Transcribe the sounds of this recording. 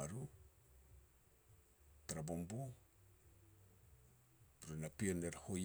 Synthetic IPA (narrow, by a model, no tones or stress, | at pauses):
aɾu | taɾabombu | ɾunapieneɾahoj